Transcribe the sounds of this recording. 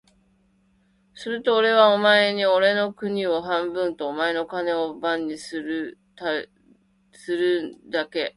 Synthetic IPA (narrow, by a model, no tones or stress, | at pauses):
sɨɾɯ̟t̪o̞ːɾe̞β̞aomae̞ɲ̟io̞ɾe̞no̞kɯ̟ɲ̟io̞ɦãmbɯ̟̃nt̪o̞ːmae̞no̞kane̞o̞bãɲ̟ːisɨɾt̪a | sɨɾɯ̟d̪ake̞